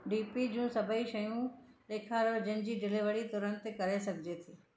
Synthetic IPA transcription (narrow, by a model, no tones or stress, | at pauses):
ɖiːpid͡ʑũːsɐbʱəiʃɐjũleːkʰaɾd͡ʑənɪ̆d͡ʑiːɖʱɪleʋɐɽit̪ʊɾə̃nt̪kɐɾesɐɡʱɪd͡ʑet̪ʰiː